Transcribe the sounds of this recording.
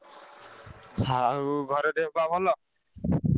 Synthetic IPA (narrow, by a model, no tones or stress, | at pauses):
aɡʱɔɾɔd̪ebabʱɔlɔ